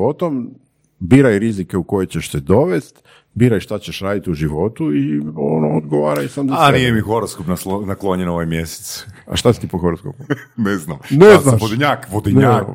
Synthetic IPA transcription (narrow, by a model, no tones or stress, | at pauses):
o̞t̪om | biɾajɾizikeuko̞jet͡ɕeʃsed̪o̞ʋest̪ | biːɾajʃt̪at͡ɕeʃɾaːd̪it̪iuʒiʋo̞t̪uionood̪ɡoʋaːɾajsamzaanenijemixoɾoskopnaslonaklˠoɲenoʋajmjese̥t̪sa̰ʃt̪asi̥t̪ipoxoɾoskopuneznamneznaʃod̪iɲaːkʋod̪inɲa